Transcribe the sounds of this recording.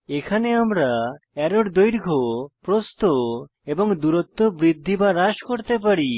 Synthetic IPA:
ekʰaneamɾa | ɛɾoɽd̪ojɾɡʱopɾost̪o | ebɔŋd̪uɾɔt̪ːobɾid̪ʱːibaɾaʃkoɾt̪ep̬aɾi

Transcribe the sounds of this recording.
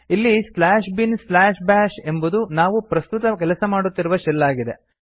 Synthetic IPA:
ilːislaːʃbinslaːʃbaːʃe̞mbud̪unaːʋupɾɐst̪ut̪ɐkɛlɐsɐmaːɽut̪ːiɾuʋɐʃɛlːaːɡid̪e̞

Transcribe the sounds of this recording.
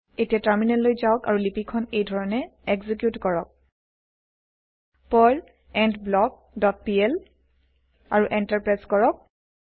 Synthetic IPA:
etijataɹminɛlːojzaɔka̰ɹulipikʰːɔnejdʱɔɹɔnɛɛɡzik̬jutkɔɹɔk̚ | pɔl | ɛndblɔɡ̚ | dɔt̚piɛl | aɹuʔɛntaɹpɹajzkɔɹɔk̚

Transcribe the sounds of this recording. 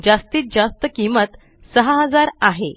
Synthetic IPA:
d͡zast̪iːt̪̚d͡zast̪əkimət̪ | səɦaɦəd͡zaɾaɦe

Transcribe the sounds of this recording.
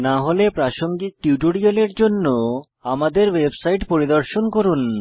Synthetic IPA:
naɦolepɾaʃoŋɡik̚ʈiuʈoɽioleɾd͡ʑonːo | amad̪eɾwebsajʈpoɾid̪oɾʃonkoɾun

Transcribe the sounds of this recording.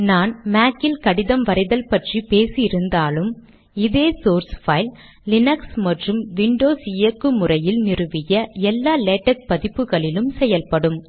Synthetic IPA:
naːnmaːkːɪlkɐɽɪðɐmʋɐɾɪðɐlpɐʈripeːsɪɪɾɯnd̪aːlɯm | ɪðeːsoːɾsfɐɪlː | ɪnɐksmɐʈrɯmʋɪɳɖoːsɪjɐkːɯmʊrɐjɪlnɪrɯʋɪjɐɛlːaːleːʈːɐk̚pɐðɪpːɯɣɐɭɪlɯmsɛjɐlpɐɽɯm

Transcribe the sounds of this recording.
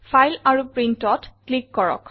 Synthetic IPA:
pʰajlaɹupɹintɔtklikːɔɹɔ̰k

